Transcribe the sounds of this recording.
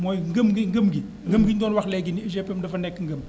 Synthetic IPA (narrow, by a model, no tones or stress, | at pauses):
mɔːjŋɡəmɡiŋɡəmɡi | ŋɡəmɡindɔːnwɐxlɛɡiniiʃɛpɛmdɐfɐnɛkːŋɡəm